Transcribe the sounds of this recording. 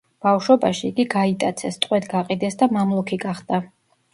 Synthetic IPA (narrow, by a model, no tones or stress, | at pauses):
b̥afʃɔbaʃiːɡiɡait̪ʼat̪sʰɛst̪ʼqʼwɛt̪ɡaqʼid̪ɛsd̪amamlˠɔkʰiɡaχd̪a